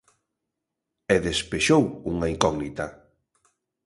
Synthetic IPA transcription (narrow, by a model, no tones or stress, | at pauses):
ɛðespeʃowuŋaiŋkɔɣnit̪ɐ